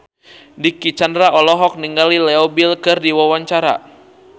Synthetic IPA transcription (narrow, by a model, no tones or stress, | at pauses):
dikit͡ʃandɾaɔlɔɦɔk̚niŋɡalilɛɔbilkɨrdiwawaɲt͡ʃaɾa̰